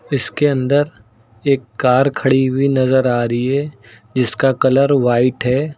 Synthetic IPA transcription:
ɪskeɐ̃nd̪əɾ | eːkːaːɾkʰɐɽibʱinɐzəɾaːɾɐiɦɛː | d͡ʒɪskakɐləɾʋaːɪʈɦɛː

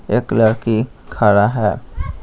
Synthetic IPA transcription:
eːkləɽki | kʰaːɽaɦɛː

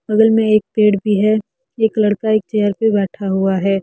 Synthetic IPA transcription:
bɐɡəlmẽeːk̚peːɽbʱiɦɛː | eːklɐɽkaeːk̚t͡ʃɛːjəɾpebɛːʈʰaɦuaɦɛː

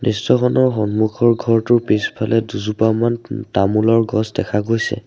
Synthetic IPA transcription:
nistɔxɔnɔɹxɔnmukʰɔɹɡʱɔɹtʊpispʰalɛduzupamantamulɔɹɡɔsdɛkʰaɡojsɛ̰

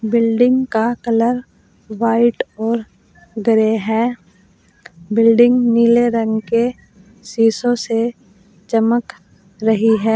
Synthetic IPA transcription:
bɪlɖɪ̃ŋɡkakələɾ | ʋaːɪʈɔːɾ | ɡəɾeɦɛː | bɪlɖɪ̃ŋɡniːleɾə̃ŋɡke | siːsõse | t͡ʃɐmək | ɾɐɦiɦɛː

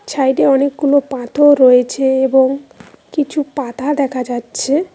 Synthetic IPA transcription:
t͡ɕʰajɖeɔnek̚ɡulopãt̪ʰoɾojet͡ɕʰeeboŋ | kit͡ɕʰupãt̪ad̪ɛkʰad͡ʑatːɕʰe

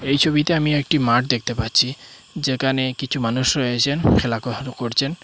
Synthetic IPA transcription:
ejt͡ɕʰobit̪eamiek̚ʈimaʈ̚d̪ek̚ʰt̪epatːt͡ɕʰi | d͡ʑekʰanekit͡ɕʰumanuʃɾoet͡ɕʰenkʰelakoɾkoɾt͡ɕʰen

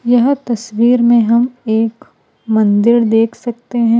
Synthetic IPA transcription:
jɐɦt̪ɐswiːɾmẽɦɐmeːk | mɐ̃nd̪ɪɾd̪eːkʰsɐk̚t̪eɦɛ̃ː

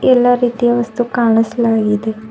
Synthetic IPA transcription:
eːlaɾiːt̪ijaʋəst̪ukaːɳ̃əslaːɡiːd̪eː

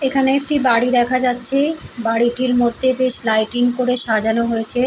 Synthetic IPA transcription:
ekʰaneek̚ʈibaɽid̪ɛkʰad͡ʑatːɕʰebaɽiʈiɾmod̪ʱːebeʃlajʈiŋkoɾeʃad͡ʑanoɦojet͡ɕʰe

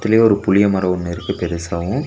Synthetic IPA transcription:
t̪ːɪlɐjeɔɾɯpʊɭɪjɐmɐɾɐʋʊnːɪɾɯkːɯpɛɾɪsaːʋɯ̃

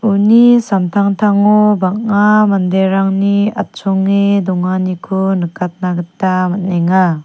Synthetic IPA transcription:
unisamtʰaŋtʰaŋɔbakamandeɾaŋnia̰t̚sɔŋːidɔŋanikʰunɯkʰat̚naɡɯtːamat̚neŋa

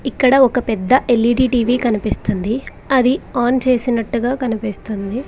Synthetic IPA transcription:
ikːɐɽɐɔkɐpɛd̪ːɐʔelːiːɖiːʈiːʋiːkɐnipist̪und̪i | ɐd̪iaːnt͡ʃe̞ːsinɐʈːuɡaːkɐnipist̪und̪i

